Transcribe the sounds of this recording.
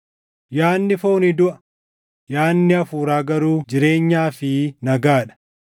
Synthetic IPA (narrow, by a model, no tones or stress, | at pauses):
jaːnːɪfo̞ːnɪd̪ʊʔɐ̥ | jaːnːɪɐfuːɾaːɡɐɾuːd͡ʒɪɾe̞ːɲːaːfɪnɐɡaːᶑɐ̥